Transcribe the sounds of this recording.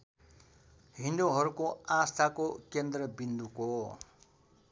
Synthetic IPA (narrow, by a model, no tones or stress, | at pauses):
ɦind̪oɦʌɾukoast̪ʰakokend̪rʌbind̪uko